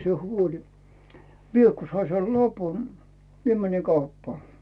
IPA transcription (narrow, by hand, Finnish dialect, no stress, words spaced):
sĭe huolʲi mie ku sɑi sel lɑpu mie mæni kɑupːɑː